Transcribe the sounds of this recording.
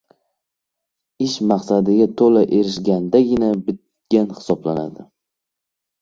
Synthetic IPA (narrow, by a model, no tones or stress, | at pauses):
ɪʃmaqsad̪ɪɡʲat̪ʰolaʔe̞ɾɪʃɡʲand̪aɡʲɪnabɪt̪̚ | ɡ̥ʲanhɪ̥sɒblana̰d̪ɪ